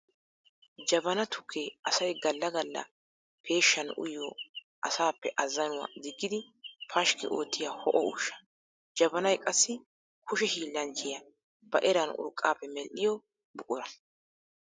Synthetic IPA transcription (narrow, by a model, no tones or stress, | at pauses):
d͡ʒɐbɐnɐt̪ʰʊkʰːeʔɐsɐjɡɐlːɐɡɐlːɐ̰ | pʰe̞ːʃːɐnʔʊ̰jːɔ | ʔɐsaːpːɛʔɐzːɐnʊwɐ̰d̪ɪɡːɪd̪ɪ | pʰɐʃkɪ̰ʔoːt̪ːɪjaːhɔʔɔʊʃːɐ̥ | d͡ʒɐbɐnɐjkʼɐsːɪ | kʊʃɛhiːlːɐnt͡ʃːɪjɐ | bɐʔɛɾɐnʊ̰ɾkʼːaːpːɛmɛlːɪjɔ | bʊkʼʊɾɐ